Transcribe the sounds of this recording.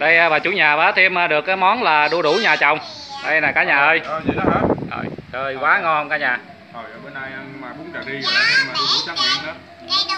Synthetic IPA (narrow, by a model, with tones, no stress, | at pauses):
ɗə˧jʔɓaː˨˩t͡ɕṵ˧˦ɲaː˨˩ɓaː˨˦t̪ʰi˧mʔəː˧ɗɨ˨˩ək̚ːaː˨˦jmɔ˨˦nlaː˨˩ɗu˧ɗu˧˩ɲaː˨˩t͡ɕɔ̰˨˩wŋ͡m | ɗə˧jnaː˨˩kaː˨˦˥ɲaː˨˩ʔəː˧jə̰˨˩jt͡ɕəː˧jkwaː˨˦ŋɔ˧hə˧wŋ͡mkaː˨˦ɲaː˨˩ | to˨˩jɓə˨˦na˧jə˧maː˨˩ɓʊ˨˦nkaː˨˩ɗi˧ə˨˩a˨˩i˧maː˨˩ɗu˧ɗu˧˩˦t͡ɕa˦˥k̚mḭ˧˨˦nə˨˦˨